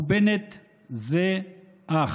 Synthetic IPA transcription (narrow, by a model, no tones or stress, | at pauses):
benet̪ | ze | a